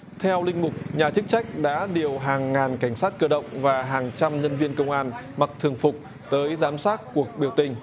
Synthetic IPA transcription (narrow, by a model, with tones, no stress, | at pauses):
t̪ʰɛ˧wlï˧ŋ̟mʊ˨˩k͡p̚ɲaː˨˩t͡ɕɨ˦˥k̚t͡ɕa˦˥jk̟̚ɗa̰ː˧˥ɗi˨˩əwɦaː˨˩ŋːaː˨˩nka˧˩jŋ̟saː˦˥t̚kəː˧ɗə̰˧˨wŋ͡mvaː˨˩ɦaː˨˩ŋt͡ɕa˧mɲə˧nvi˧ənkə˧wŋ͡mʔaː˧n | ma˨˩k̚t̪ʰɨ˨˩əŋfʊ˨˩k͡p̚ | t̪əː˨˦jzaː˨˦msaː˦˥t̚ku˨˩ək̚ɓi˨˧˩əwt̪ï˨˩ŋ̟